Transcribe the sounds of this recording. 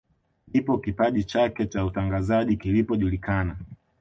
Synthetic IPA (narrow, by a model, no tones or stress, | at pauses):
nipɔkipaʄit͡ʃakɛt͡ʃautaŋɡazaʄikilipɔʄulikana